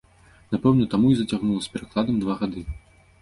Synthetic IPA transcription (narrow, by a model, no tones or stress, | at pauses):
napɛwnɐt̪amuizɐt͡sʲaɣnulˠɐspʲɛɾaklˠad̪ɐmd̪vaɣad̪ɨ